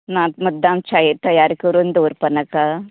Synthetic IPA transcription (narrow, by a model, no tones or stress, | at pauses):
naːt̪̚mɐd̪ːaːmt͡ʃajet̪ɐjaːɾkoɾund̪uoɾpɐnɐka